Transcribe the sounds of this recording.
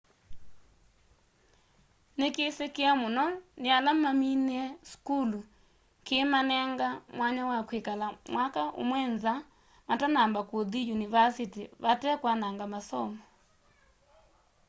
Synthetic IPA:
nekesekeamonɔnealamaminɛskulu | kemanɛŋɡamwaɲawakwekalamwakaʔo̰mwɛnza | matanambakwoðijunivasitiβatɛkwanaŋɡamasɔmɔ

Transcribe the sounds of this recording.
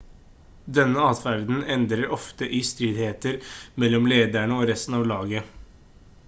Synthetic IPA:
d̪ɛnːəɑːt̪ʋæɾd̪n̩ɛnd̪ɾəɾɔft̪əʔist̪ɾʏd̪heːt̪əɾmɛlːɔmleːd̪æɳəoːɾɛst̪n̩ɑːʋlɑːɡə

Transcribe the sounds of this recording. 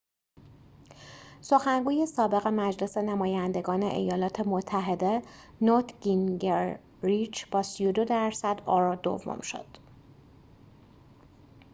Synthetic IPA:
so̞xæŋɡuːje̞sɒːbe̞ɣe̞mæd͡ʒle̞se̞næmɒːjænd̪e̞ɡɒːnḛʔḛjɒːlɒːt̪ʰe̞mot̪ʰːæɦe̞d̪e̞ | not̪ʰɡinɡeɾː | it͡ʃb̥ɒːsijo̞d̪o̞d̪æɾsæd̪ɒːɾɒːd̪o̰vːo̰mʃo̞̰d̪̥

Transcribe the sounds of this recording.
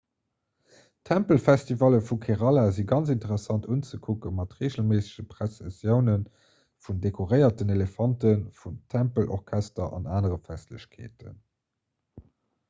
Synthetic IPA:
tʰæmpəlfæstivɑləfukʰeʁɑlaziɡɑnt͡sintəʁɛsɑntunt͡səkʰukəmɑtʁeːʑəlmeːsə̥ʑəpʁesɛsjəʊnən | fundekʰoʁəɪɐtənelefɑntənfuntʰæmpəlʔɔ̰ʁkʰæstɐʔɑ̰naːnəʁəfæstləɕkʰḛːtə̰n

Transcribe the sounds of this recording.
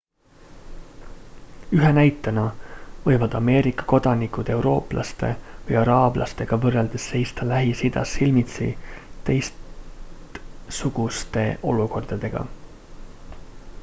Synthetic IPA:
yɦenæjt̪ːˑɑnɑvɤjvɑd̪̥ɑme̞ːɾikːˑɑ̥ko̞d̪̥ɑnikud̪̥e̞uwɾo̞ːplʔɑ̰st̪e̞̰vɤjɑɾɑːblʔɑ̰st̪e̞ɡ̥ɑvɤrːeld̪̥esːe̞jst̪ɑlæɦisid̪̥ɑ̰sːilmit̪sḭt̪e̞js | t̪suɡ̥ust̪e̞ʔo̞luko̞rd̪̥ɑd̪̥e̞ɡ̥ɑ̰

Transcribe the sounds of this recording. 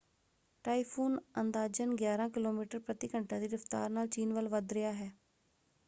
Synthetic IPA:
ʈaːipʰuːnənd̪aːd͡ʒənɡjaːɾãːkɪloːmiːʈəɾpɾət̪ɪkəɳʈãːd̪iːɾəft̪a̰ːɾnaːlt͡ʃiːnʋəlʋəd̪ɾɪjaːɦɛː

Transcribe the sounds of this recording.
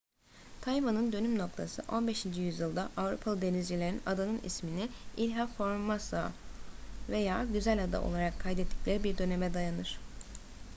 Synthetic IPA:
t̪ʰajvanɯnd̪ø̞nymno̞k̚t̪ʰasɯ̰ʔo̞nbe̞ʃind͡ʒijyzjɯlˠd̪aʔavɾṵpʰalˠɯd̪e̞nizd͡ʒilʲe̞ɾinad̪anɯnḭsminiilʲɦafo̞ɾmasa | ve̞jaːɟyzælʲad̪a̰ʔo̞̰lˠaɾakʰːajd̪ɛt̪ʰːi̥clʲeɾibiɾd̪ø̞nemɛd̪ajanɯɾ̥

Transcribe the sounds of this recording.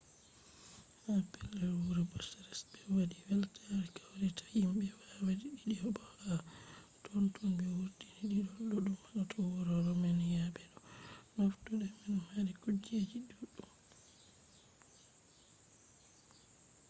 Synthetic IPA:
hapɛlːɛɾwuɾɛbɔsɛɾɛsbɛwadiwɛltʰaɾkawɾɛtʰḁjimbɛwawadiɗiɗiɔbɔha | tʰɔntunbɛwuɾdiniɗiɗɔɗɔɗumːaɗatʰɔwɔɾɔɾɔmɛnjabɛɗɔmaftuɗɛminhaɾikud͡ʒed͡ʒiɗuɗːum

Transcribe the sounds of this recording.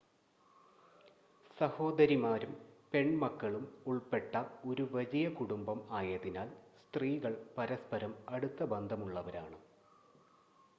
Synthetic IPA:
sɐho̞ːd̪ɐɾimaːɾumpe̞ɳmɐkːɐɭumuɭpe̞ʈːɐo̞ɾuʋɐd͡ʑijɐkuɽumbɐmaːjɐðinaːlst̪riːɣɐɭpɐɾɐspɐɾɐmɐɽut̪ːɐbɐnd̪ʱɐmuɭːɐʋɐɾaːɳɨ

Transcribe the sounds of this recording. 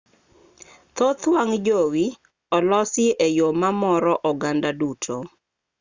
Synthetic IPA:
t̪ot̪waŋd͡ʒowi | ɔlɔsɪejomamɔɾɔʔɔɡandadutʰo

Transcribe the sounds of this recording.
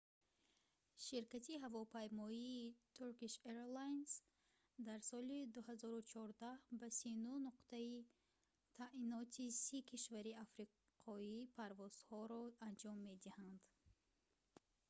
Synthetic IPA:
ʃiɾkat̪ʰiɦavɔpʰajmɔiːt̪ʰuɾkiʃeɾlajns | d̪aɾsɔlid̪uhazɔɾut͡ʃʰɔɾd̪ahbasinunuqt̪ʰai | t̪ʰainɔt̪ʰisikʰiʃvaɾiafɾi | qʰɔipʰaɾvɔz̥hɔɾɔand͡ʒɔmːe̞d̪ihand̪

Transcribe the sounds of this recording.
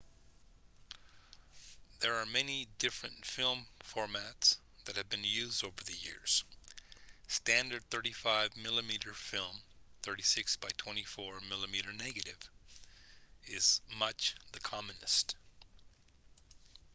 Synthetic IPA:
ðə˞ːmɛnidɪfɹɨ̃ntfɪlˠɱfɔɹmæts | ðɨt̚hɨvbɨ̃njʉzdoʊvə˞ðɨjɪ̰ɹz̥ | stæ̃ndə˞d̪̚θɜ˞ɾifaɪvmɪlˠəmiɾə˞fɪlˠmθɜ˞ɾisɪksb̥aɪtʰw̥ɛ̃ɾ̃ifɔɹmɪlˠəmiɾə˞nɛɡɨɾɪv | ɪz̥mʌt͡ʃðɨkʰɑmɨnɨst

